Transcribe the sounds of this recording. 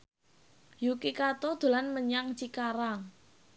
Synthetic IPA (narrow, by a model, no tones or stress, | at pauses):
jukikat̪od̪̥o̤lanməɲaŋt͡ʃikaɾaŋ